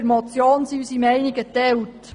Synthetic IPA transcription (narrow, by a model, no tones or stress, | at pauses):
ɾmɔt͡sjoːnsiysimɛɪniɡətɛlt